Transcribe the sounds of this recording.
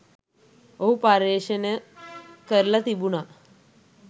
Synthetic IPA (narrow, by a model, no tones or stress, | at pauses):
oɦupaɾeɕənəkəɾlat̪ibuna